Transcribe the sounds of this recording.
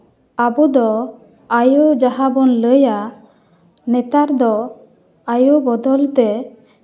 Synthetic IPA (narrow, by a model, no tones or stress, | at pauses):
abud̪ɔ | ajud͡ʒaɦabɔnləja | nɛt̪aɾd̪ɔ | ajubɔd̪ɔlt̪ɛ